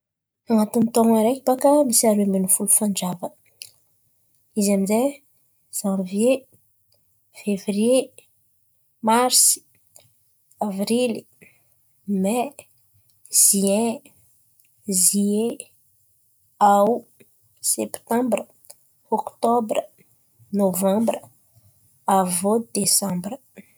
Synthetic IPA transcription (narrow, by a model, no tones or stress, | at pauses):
aŋat̪unit̪oŋaɾeki̥pakəmisaɾuemenifulufand͡ʒavə | izamize | z̥ãvje | fevrie | maɾsi̥ | avrili | mɛ | z̥iɛ̃ | zie | aw | sɛpt̪ɑ̃mbrə | ɔkt̪ɔbrə | novɑ̃mbrə | avod̪̥esɑ̃mbrə